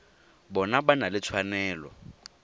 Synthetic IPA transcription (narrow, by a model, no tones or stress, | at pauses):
bɔnabanalɪt͡sʰwanɛːlɔ̰